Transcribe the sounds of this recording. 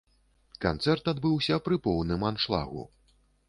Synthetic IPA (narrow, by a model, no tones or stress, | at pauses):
kant̪sɛrt̪ad̪bɨwsʲɐpɾɨpɔwnɨmanʂlˠa̰ɣṵ